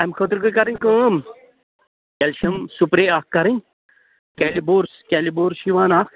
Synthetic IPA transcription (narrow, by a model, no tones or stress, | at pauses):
ɐmkʰət̪ɾɡəkɐɾinʲkəm | kɛlʃɐmsupɾeːaːkkɐɾin | kɛːliboːɾskʲɛːliboːɾʃiʋaːnaːk